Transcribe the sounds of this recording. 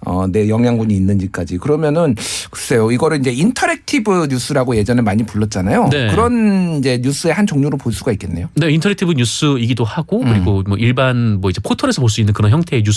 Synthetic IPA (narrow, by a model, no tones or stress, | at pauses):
ʌ̰ne̞jʌŋɦjaŋɡuɲiːnːɯnd͡ʑik͈ad͡ʑikɯɾʌmjʌnɯnkɯ̥s͈ʰe̞joiɡʌɾɯɭind͡ʑe̞intʰʌɾek̚tʰibɯɲus͈ʰɯɾaɡoje̞d͡ʑʌneɭmaɲipuɭːʌt̚t͡ɕ͈anajonekɯɾʌnid͡ʑe̞ɲus͈ɯe̞hant͡ɕʌŋɲoɾopoɭs͈uɡaik͈e̞nːe̞jone̞intʰʌɾek̚tʰibɯɲus͈ʰɯiɡidohaɡokɯɾiɡomwʌiɭbanmwʌid͡ʑe̞pʰotʰʌɾe̞sʰʌpoɭs͈uinːɯnkɯɾʌnçjʌŋtʰe̞ːɲus